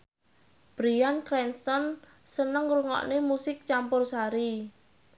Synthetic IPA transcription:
b̥ɾiankɾɛnst̪ɔn | sənəŋɾuŋɔ̰ʔnemusɪk̚t͡ʃampʊrsaɾi

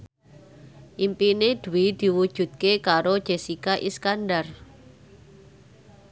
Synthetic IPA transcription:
ʔimpined̪̥ṳwid̪̥i̤wud̥ʒ̥ṳt̪̚kekaɾod̥ʒ̥esikaʔiskandar

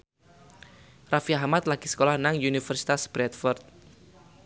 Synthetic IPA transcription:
rafiahmat̪laɡ̥i̥sə̥kolahnaŋunifərsi̥t̪asb̥ɾɛt̪fɔrt̪̚

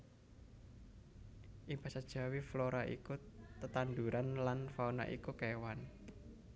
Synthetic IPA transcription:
ʔib̥a̤sad̥ʒ̥a̤wifloɾaʔikut̪ət̪and̪uɾanlanfaona̰ʔḭkukewan

